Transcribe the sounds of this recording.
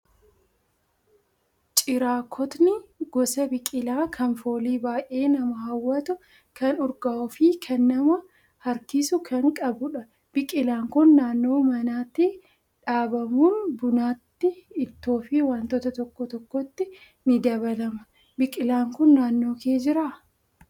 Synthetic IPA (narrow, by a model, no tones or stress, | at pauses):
t͡ʃʼɪɾaːkʰɔt̪nɪɡɔsɐbɪkʼɪlaːkʰɐnfo̞ːliːbaːʔe̞ːnɐmɐhɐwːɐt̪ʊ | kɐnɔɾɡɐʔɔfikʰɐnːɐmɐ | hɐɾkɪsʊkʰɐŋkʼɐbʊᶑɐ | b̥ɪkʼɪlaːŋkʊnːaːnːo̞ːmɐnaːt̪ːɪ | ᶑaːbɐmuːnbʊnaːt̪ːɪːt̪ːoːfiwaːnt̪ɔt̪ɐt̪ɔkːɔt̪ɔkːɔt̪ːɪ | nɪd̪ɐβɐlɐmɐ | bɪkʼɪlaːŋkʊnːaːnːo̞ːke̞ːd͡ʒɪɾaː